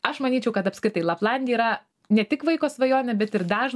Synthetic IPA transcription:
ɐʃmɐnʲiːt͡ʃʲɛʊkɐt̪ɐpʲskɾʲɪt̪ɐɪlˠɐplˠɑnʲdʲɛːɾɐ | nʲɛt̪ʲɪkʋɐɪkoːsʋɐjoːnʲɛbʲɛt̪ɪɾd̪ɑːʒ

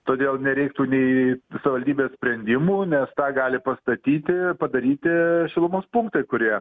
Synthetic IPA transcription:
t̪oːd̪ʲeːlˠnʲɛɾʲɛɪkt̪uːnʲɛɪsɐʋʲɪʋɐlʲd̪ʲiːbʲeːsʲpʲɾʲɛnʲd̪ʲɪmuːnʲɛst̪ɑːɡɑːlʲɪpɐst̪ɐt̪ʲiːt̪ʲɪpɐd̪ɐɾʲiːt̪ʲɪʃʲɪlˠʊmoːspʊŋk̚t̪ɐɪkʊɾʲiɛ

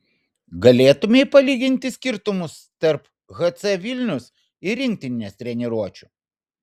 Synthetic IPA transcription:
ɡɐlʲeːt̪ʊmʲeipɐlʲiːɡʲɪnʲt̪ʲɪsʲkʲɪɾt̪ʊmʊst̪ɐɾp | ɣɐt̪sɛʋʲɪlʲnʲʊs | ɪɾʲɪŋʲkt̪ʲɪnʲnʲɛst̪ʲɾʲɛnʲɛɾuɔt͡ʃʲu̥ˑ

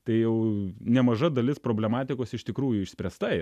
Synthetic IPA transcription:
t̪ɐɪjɛʊnʲɛmɐʒɐd̪ɐlʲɪspɾoːbʲlʲɛmɑːt̪ʲɪkoːsɪʃt̪ʲɪkɾuːjʊɪʃsʲpʲɾʲɛst̪ɐ

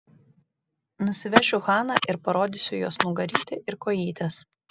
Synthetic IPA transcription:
nʊsʲɪʋʲɛʃʲʊxɑːnɑˑʔɪɾpɐɾoːd̪ʲɪsʲʊjoːsnuːɡɐɾʲiːt̪ʲɪʔɪɾkoːjiːt̪ʲɛs

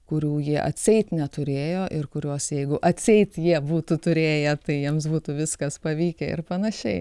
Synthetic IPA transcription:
kʊɾʲuːjiɛʔɐ̰t̪ʲsʲɛɪt̪nʲɛt̪ʊɾʲeːjoːʔɪrkʊɾʲuɔsjɛɪɡʊʔɐt̪ʲsʲɛɪt̪ʲjiɛbuːt̪ʊt̪ʊɾʲeːjɛt̪ɐɪjiɛmsbuːt̪ʊʋʲɪskɐspɐʋʲiːkʲɛɪ̰rpɐnɐʃʲɛɪ

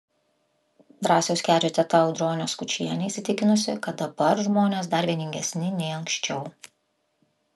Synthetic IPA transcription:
d̪ɾɑːsʲɛʊsʲkʲæːd͡ʒʲoːt̪ʲɛt̪ɐɒʊd̪ɾoːnʲoːskʊt͡ʃʲiɛnʲɛɪsʲɪt̪ʲɪkʲɪnʊsʲɪkɐt̪̚d̪ɐbɐɾʒmoːnʲeːs̬d̪ɐɾʲʋʲiɛnʲɪŋʲɡʲɛsʲnʲɪnʲɛɪɐŋkʲʃʲt͡ʃʲɛʊ

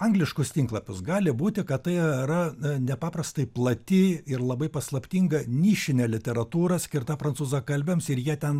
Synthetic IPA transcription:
ɐŋɡlʲɪʃkʊst̪ʲiŋklˠɐpʲʊsɡɑːlʲɪbuːt̪ʲɪkɐtt̪ɐɪɾɐnʲɛpɑːprɐst̪ɐɪplˠɐt̪ʲɪɪrlˠɐbɐɪpɐslˠɐpʲt̪ʲiːŋɡɐnʲiːʃʲɪnʲɛlʲɪt̪ʲɛɾɐt̪uːɾɐsʲkʲɪrt̪ɐpɾɐnsuːzɐkɐlʲbʲɛmsɪɾjiɛt̪ʲɛn

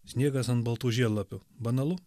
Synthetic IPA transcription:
sʲnʲiɛɡɐsɐnt̪bɐlˠt̪uːʒʲiɛllːˠɐpʲʊbɐnɐlˠʊ

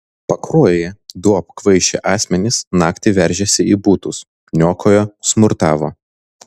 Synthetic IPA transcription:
pɐkɾuɔjjed̪uɐpkʋɐɪʃʲɛ̰ʔɑːsʲmʲɛnʲɪsnɑːkt̪ʲɪʋʲɛɾʲʒʲɛsʲɪiːbuːt̪ʊs | nʲoːkʰoːjoːsmʊɾt̪ɑːʋoː

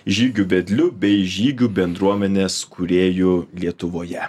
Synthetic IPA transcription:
ʒʲiːɡʲʊbʲɛd̪ʲlʲʊbʲɛɪʒʲiːɡʲuːbʲɛnd̪ɾuɔmʲɛnʲeːskʰʊɾʲeːjʊlʲiɛt̪ʊʋoːjɛ

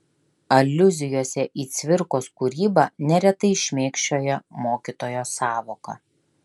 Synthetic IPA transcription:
ɐlʲːʊzʲɪjoːsʲɛʔiːt̪sʲʋʲɪɾkoːskuːɾʲiːbɑnʲɛɾʲɛt̪ɐɪɪʃʲmʲeːkʃʲt͡ʃʲoːjɛmoːkʲit̪oːjoːsɑːʋoːkɐ̰ː

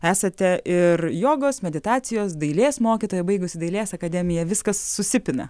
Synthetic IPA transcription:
æːsɐt̪ʲɛʔɪrjoːɡoːsmʲɛd̪ʲɪt̪ɑːt͡s̪ʲɪjoːsd̪ɐɪlʲeːsmoːkʲɪt̪oːjɛbɐɪɡʊsʲɪd̪ɐɪlʲeːsɐkɐd̪ʲɛmʲɪjɛʋʲɪskɐsːʊsʲɪpʲɪnɐ̰

